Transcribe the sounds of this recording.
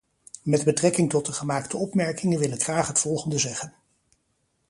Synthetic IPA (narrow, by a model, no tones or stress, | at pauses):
mɛd̚bətrɛkɪŋtɔt̚dəχəmaːktʰəɔpmɛɹkɪŋənʋɪlɪkχraːχɦətfɔlˠχəndəzɛχən